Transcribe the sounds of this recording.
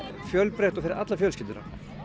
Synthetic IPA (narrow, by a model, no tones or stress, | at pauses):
fjœlpɾɛht̪ɔfɪɾɪɾat̪lafjœːlscɪlt̪ʏna̰